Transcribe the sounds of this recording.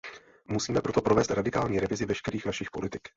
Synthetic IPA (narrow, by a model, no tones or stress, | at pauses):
musiːmɛpɾo̞t̪o̞pɾo̞vɛːst̪ɾadɪkaːlɲiːɾɛvɪzɪvɛʃkɛɾiːxnaʃɪxpo̞lɪt̪ɪ̥k